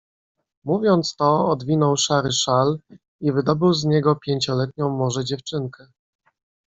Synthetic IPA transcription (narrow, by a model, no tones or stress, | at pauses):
muvʲjɔnt̪st̪ɔɔd̪vʲinɔwʂaɾɘʂal | ivɘd̪ɔbɘwzɲɛɡɔpʲjeɲt͡ɕɔlɛt̪̚ɲɔ̃w̃mɔʐɛd͡ʑɛft͡ʂɘŋkɛ